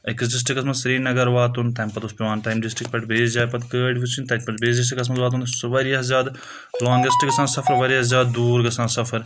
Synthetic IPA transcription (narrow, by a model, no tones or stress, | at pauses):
ɐksɖis̬ʈɾikːɐsmɐnzsɐɾiːnɐɡɐɾʋaːt̪unt̪ɐmpɐt̪uspiʋaːnʈaːjmɖisʈɾikpɐʈbeːsd͡ʒaːjpɐt̪kəːɖʋut͡ʃʰint̪ɐʈpɐʈbeːsdis̬ʈikːɐs̬mɐnzʋaːt̪̬unsʋɐɾiɐɐzaːd̪ | lɔːŋɡɐsʈikɡɐsãːnsɐfʰɐɾʋɐɾiɐzʲaːd̪̚d̪uːɾɡɐsãːnsɐfɐɾ